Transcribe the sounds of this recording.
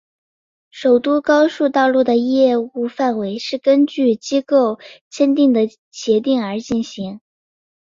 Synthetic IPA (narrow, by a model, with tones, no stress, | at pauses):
ʂo˨˩ʊt̪u˥kɑ˥ʊʂu˥˧t̪ɑ˥˧ʊlu˥˩d̪ə˩jɛ˥˧u˥˧fa˥˩nwe˧˥ɪʂɻ̩˥˩kə˥nt͡ɕy˥˩t͡ɕi˥ko˥˩ʊt͡ɕʰjɛ˥nt̪i˥˩ŋd̪ə˩ | ɕjɛ˧˥t̪̬i˥˩ŋə˞˧˥t͡ɕi˥˩nɕi˧˥ŋ